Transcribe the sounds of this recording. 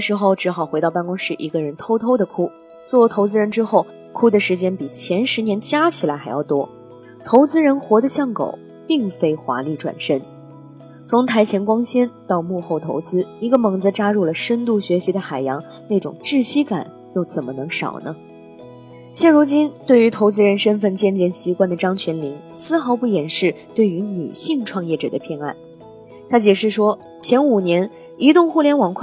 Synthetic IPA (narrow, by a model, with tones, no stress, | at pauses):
ʂɻ̩˧˥xo˥˩ʊʈ͡ʂɻ̩˧˥xɑ˨˩ʊxwe˧˥ɪɑ˥˧ʊpa˥˧nkʊ˥ŋʂɻ̩˥˩ʔi˧˥ɡə˧ɻə˧˥nt̪ʰo˥ʊt̪ʰo˥ʊd̪ə˨kʰu˥ | t͡swɔ˥˩jo˧˥ʊt̪ʰo˧˥ʊt͡sɹ̩˥ɻə˧˥nʈ͡ʂɻ̩˥xo˥˩ʊ | kʰu˥d̪ə˨ʂɻ̩˧˥t͡ɕjɛ˥npi˨˩t͡ɕʰjɛ˧˥nʂɻ̩˧˥njɛ˧˥nt͡ɕja˥t͡ɕʰi˨˩la˧˥ɪxa˧˥ɪjɑ˥˩ʊt̪wɔ˥ | t̪ʰo˧˥ʊt͡sɹ̩˥ɻə˧˥nxwɔ˧˥d̪ə˧ɕjɑ˥˩ŋko̰˨˩ʊ | pi˥˩ŋfe˥ɪxwa̰˧˥li˥˩ʈ͡ʂwa̰˨˩nʂə˥n | t͡sʰʊ˧˥ŋt̪ʰa˧˥ɪt͡ɕʰjɛ˧˥nkwɑ˥ŋɕɛ˥nt̪ɑ˥˧ʊmu˥˧xo˥˩ʊt̪ʰo˧˥ʊt͡sɹ̩˥i˧˥ɡə˧mɤ˧˥ŋd͡z̩˧ʈ͡ʂa˥ɻu˥˩lə˩ʂə˥nt̪̬u˥˩ɕɥɛ˧˥ɕi˧˥d̪ə˧xa˨˩ɪjɑ˧˥ŋ | na˥˩ɪʈ͡ʂʊ̰˨˩ŋʈ͡ʂɻ̩˥˧t͡ɕʰi˥ka̰˨˩˦n | jo˥˩ʊt͡sə˨˩nmə˦nɤ˧˥ŋʂɑ̰˨˩ʊnə̰˦ | ɕjɛ˥˩nɻu˧˥t͡ɕi˥nt̪we˥˩ɪy˧˥t̪ʰo˧˥ʊt͡sɹ̩˥ɻə˧˥nʂə˥nfə˥˩nt͡ɕjɛ˥˧nt͡ɕjɛ˥˩nɕi˧˥kwa˥˩nd̪ə˩ʈ͡ʂɑ˥ŋt͡ɕʰɥɛ˧˥nli˧˥ŋ | sɹ̩˥˧xɑ˧˥ʊpu˥˩jɛ˨˩nʂɻ̩˥˧t̪we˥˩ɪy˧˥ny̰˨˩ɕi˥˧ŋʈ͡ʂʰwɑ˥˧ŋjɛ˥˩ʈ͡ʂɤ̰˨˩d̪ə˦pʰjɛ˥˧na̰˥˩n | t̪ʰa˥t͡ɕjɛ˨˩ʂɻ̩˥˩ʂwɔ˥ | t͡ɕʰjɛ˧˥nu˨˩njɛ˧˥n | i˧˥t̪ʊ˥˧ŋxu˥˩ljɛ˧˥nwɑ˨˩ŋkʰ